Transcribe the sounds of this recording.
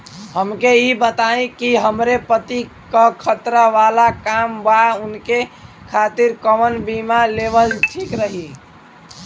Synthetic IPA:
həmkeibət̪aẽkiɦəmɾepət̪i | kəkʰət̪ɾəʋalakambaunke | kʰat̪iɾkəmənbimalebəlʈʰikɾəɦi

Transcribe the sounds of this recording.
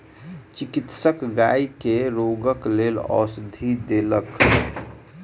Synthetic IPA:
t͡ʃikit̪səkɡa̰ikeɾoɡəklelɔ̰ːsd̪ʱid̪elək

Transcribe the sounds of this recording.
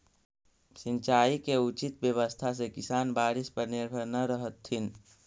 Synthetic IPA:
sɪ̃nt͡ʃaːikeut͡ʃit̪bjəβəst̪ʰas̬ekɪsaːnbaːɾɪspəɾnɪɾbʱəɾnəɾəɦət̪ːɪn

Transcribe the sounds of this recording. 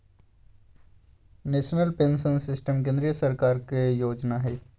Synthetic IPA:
neːʃnəlpẽːnsənsɪsʈəmkẽːnd̪ɾijəsəɾkaːɾkejoːd͡ʒnaɦɛː

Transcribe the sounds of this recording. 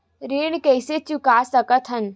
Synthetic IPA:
ɾeːɽ̃kɛːset͡ʃukaːsɐkət̪ʰɦən

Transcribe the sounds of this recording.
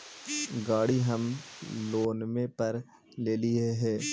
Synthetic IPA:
ɡaːɽiɦɐmloːnmẽpɐɾ | leːlieɦɛ̃ː

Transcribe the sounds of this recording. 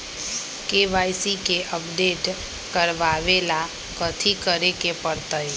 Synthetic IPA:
keʋaːɪsikeʔəpɖeːʈ | kəɾʋaːʋela | kət̪ʰikəɾekepəɾt̪əj

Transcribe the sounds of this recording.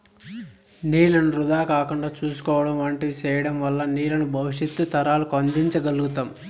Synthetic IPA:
niːlɐnuɾud̪aːkaːkuɳɖaːt͡ʃuːsu̥kɔːʋɐɽɐmʋɐɳʈeʋit͡ʃɛːjɐɽɐmʋɐlːɐniːlɐnubʱɐʋiʂjɐt̪ːut̪ɐɾaːlukɐnd̪iɲt͡ʃɐɡɐluɡut̪aːm

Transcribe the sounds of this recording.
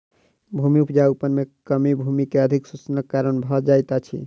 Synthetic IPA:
bʱumiupʰd͡ʒaupənmekəmibʱumikeəd̪ʱiksut͡ʃnəkːaɾənbʱɔd͡ʒajt̪at͡ʃʰḭ

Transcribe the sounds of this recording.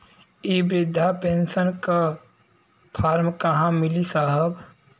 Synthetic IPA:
ibɾɪd̪ʱːapensənka | pʰaːɾmkəɦãmɪlisaːɦəb

